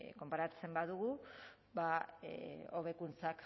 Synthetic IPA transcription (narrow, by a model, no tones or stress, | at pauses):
ko̞mpaɾat͡se̞mbaðuɣu | ba | o̞βe̞kunt͡sak